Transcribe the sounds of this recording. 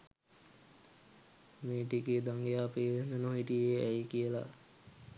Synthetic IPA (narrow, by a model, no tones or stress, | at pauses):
meːʈiked̪aŋɡejaːpeːʋenənoɦiʈijeɛjkijəla̰